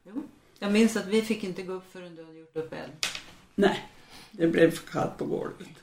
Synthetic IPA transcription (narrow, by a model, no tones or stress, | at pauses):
juː | jɑːɡmɪnsat̪vɪfɪkːɪnt̪əɡoːɵpːfœɾɛnd̪ʉhad̪əjʊʈːɵpːɛ̰l | nɛd̪ɛblɛvfœkʰa̰lt̪̚pʰɔɡo̰ːlət̪